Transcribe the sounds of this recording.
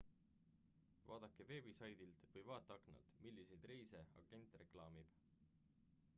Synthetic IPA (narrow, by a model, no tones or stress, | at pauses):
vɑ̰ːd̪ɑkːˑe̞ve̞ːbisɑjd̪ilt̪vɤjvɑːt̪ːˑɑɑknɑ̰lt̪milːise̞jd̪rejseɑ̰ɡ̥e̞nt̪ːˑre̞klɑːmib̥